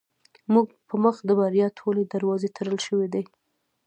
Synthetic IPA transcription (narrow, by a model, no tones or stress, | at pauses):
muɡpəməxd̪əbaɾjɑt̪ʰoled̪aɾwɑzet̪ʰəɾəlʃəwed̪ej